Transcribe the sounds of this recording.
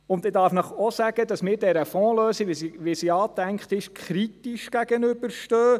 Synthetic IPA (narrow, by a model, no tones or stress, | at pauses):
ʊnt̪ɪdɑɾfnəχɔsæɡ̥əd̪ɑsmɪːɾdɛɾəfɔ̃ːløːsiʋisiʋisiɑːt̪æŋkt̪ɪʃkʰɾit̪iʃɡ̥æɡ̥ənʏb̥əɾʃtøː